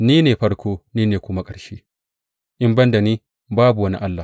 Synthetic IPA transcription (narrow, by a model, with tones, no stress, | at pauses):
niː˦neː˨ɸɐ˦ɽkʷoː˦niː˦neː˨kʷʊ˦ma˦kʼɐ˨ɽʃeː˦ | ʔɪ˦mbɐ˦nda˨niː˦ | baː˦bu˨wɐ˦nḭ˦ʔa˦lːa˨